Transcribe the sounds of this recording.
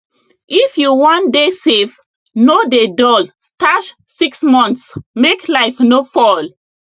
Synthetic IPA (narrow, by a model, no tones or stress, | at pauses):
ʔifjuwãndesev | nodedɔlstaʃ | siksmɔ̃nsmeklaɪfnofɔl